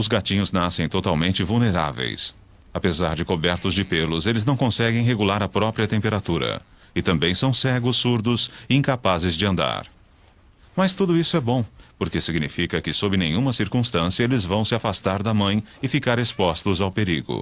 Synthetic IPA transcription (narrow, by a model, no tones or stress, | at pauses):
ʊzɡat͡ʃĩɲʊznasẽj̃t̪ot̪awmẽnt͡ʃɪvulneɾa̰vḛjs | apezaɾd͡ʒɪkobɛɾt̪ʊzd͡ʒɪpelʊzelɪznɐ̃w̃kõsɛɡẽj̃ɦeɡulaɾɐpɾɔpɾiɐt̪ẽmpeɾat̪uɾɐ̰ | ɪt̪ɐ̃mbẽj̃sɐ̃w̃sɛɡʊsːuɾd̪ʊsɪĩŋkapazɪzd͡ʒɪɐ̃nd̪a̰ɾ | mɐst̪ud̪ʊisʊɛbõpoɾkesiɡnifikɐkɪsobɾɪnẽɲũmɐsiɾkũst̪ɐ̃sijɐelɪzvɐ̃w̃sɪafast̪aɾd̪ɐmɐ̃j̃ɪfikaɾespɔst̪ʊzawpeɾḭɡʊ̰